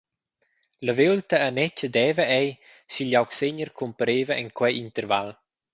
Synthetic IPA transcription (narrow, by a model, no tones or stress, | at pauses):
ləvewlt̪əːnɛt͡ʃəd̪ɛːvəɛj | siʎawkseɲərkʰumpəɾeːvəʔɛŋkwɛʔint̪əɾval